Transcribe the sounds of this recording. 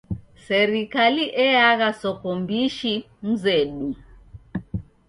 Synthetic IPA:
sɛɾikaliʔɛaɣasɔkɔmbiʃi | m̩zɛɗu

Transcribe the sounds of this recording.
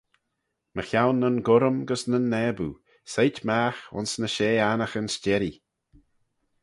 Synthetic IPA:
məxjawnːənɡʊɾəmɡəsnənːɛːbṵ | sejtmaːxʊ̰nsnəʃeːanəxənst͡ʃɛɾi

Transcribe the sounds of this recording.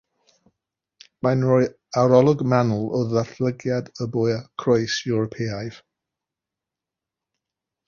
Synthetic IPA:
manɹɔj | awɾɔlˠɔɡmanl̩ˠɔðaθləɡjadəbɔjakʰrojsjuɹɔpʰɛajv̥

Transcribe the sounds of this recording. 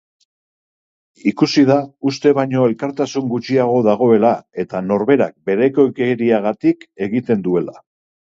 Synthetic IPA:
ikusið̞aust̪e̞βajɲo̞e̞lkaɾt̪asuŋɡut͡ʃiaɣ̞o̞ðaɣ̞o̞e̞lae̞t̪ano̞ɾβe̞ɾa̰k̚be̞ɾe̞ko̞keɾiaɣat̪ike̞ɣit̪e̞nd̪ue̞la̰

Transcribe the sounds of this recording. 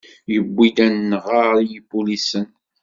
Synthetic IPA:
jəbːid̪ænːʁaɾijibulisən

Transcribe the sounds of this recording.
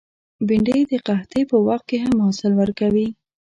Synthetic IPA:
biɳɖejd̪əqaht̪epəwaxt̪̚keɦamhɑsɪlwəɾkawi

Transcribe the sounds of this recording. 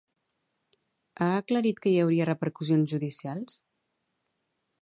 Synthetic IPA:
aəkləɾit̪kəjəwɾiərəpəɾkuzionzʒuðisialˠs

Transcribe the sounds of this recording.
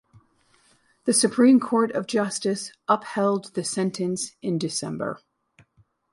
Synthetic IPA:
ðɨsɨpʰɹ̥ĩmkʰɔɹɾʌvd͡ʒʌstɨsʔʌphɛlˠd̪̚ðɨsɛ̃ntʰɨ̃nsɨ̃ndɨsɛ̃mbə̰˞

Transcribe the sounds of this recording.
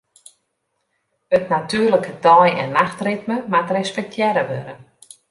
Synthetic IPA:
ətnatyːrləkətɔjɛ̰nːaxtrɪtməmatrɛspɛk̚tʰjɛɾəʋøɾə

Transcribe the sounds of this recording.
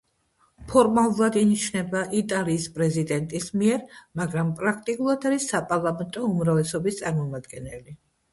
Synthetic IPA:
pʰɔɾmalˠulˠad̪init͡ʃʰnɛbaʔit̪ʼaliːspʼɾɛzid̪ɛnt̪ʼismiɛɾmaɡɾampʼɾak̚ʰt̪ʼikʼulˠad̪aɾisːapʼaɾlˠamɛnt̪ʼɔumɾavlɛsɔbist̪sʼaɾmɔmad̪ɡɛnɛli

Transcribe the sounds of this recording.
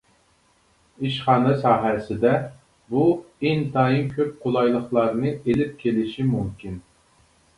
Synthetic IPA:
iʃχɑːnɨsɑːɦɛsɪd̪ɛ | buɪnt̪ʰɑːjimkʲʰøp̚qʰolˠɑjlˠəχlˠɑɾnɨelɪp̚kʲʰelɪʃimumkʲʰin

